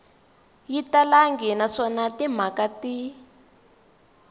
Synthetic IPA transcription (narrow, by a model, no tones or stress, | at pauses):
jitalaŋɡinaʂɔnatim̤akati